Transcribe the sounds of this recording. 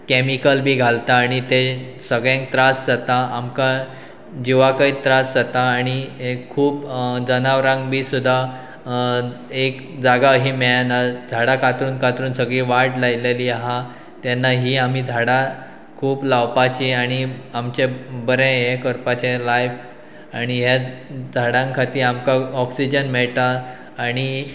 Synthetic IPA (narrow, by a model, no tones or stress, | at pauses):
kɛmikəlbʱiːɡʱalt̪aːɽ̃it̪e | səɡɭẽŋk̚t̪ɾasd͡zat̪aamka | d͡ʑiʋakait̪ɾasd͡zat̪aːɽ̃iuːpd͡zənaʋɾãŋɡbʱiːsud̪ʱːa | ek | d͡zaɡaɦiːmɛɭanad͡z̪ʱaɽakʰat̪ɾuːnkʰat̪ɾuːnsəɡɭiːʋaʈlajleliːaɦa | t̪janːaɦiːam̤id͡z̪ʱaɽa | kʰuːplawpat͡ɕiaɽ̃iamt͡ɕebəɾẽɦekəɾpat͡ɕelajf | aɽ̃iɦjad͡zʱaɽãŋkʰat̪iːɾamkaɔksid͡ʑənmɛɭt̪aː | ɽ̃i